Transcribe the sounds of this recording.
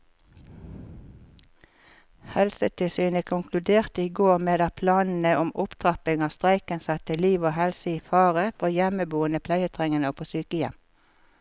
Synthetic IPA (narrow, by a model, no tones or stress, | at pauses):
hɛlsət̪ʰɪlsyːnəkʰʊŋkʰlʉd̪eːʁt̪əiːɡoːʁmeːd̪æpʰlɑːnn̩əʔʊmʊpt̪ʰʁɑpɪŋɑːst̪ʁæɪkənsɛt̪əliːʋoːhɛlsəiːfɑːʁəfɔʁjɛməbuːənəpʰlæɪət̪ʰʁɛŋənoːpʰoːsyːkəjɛ̰m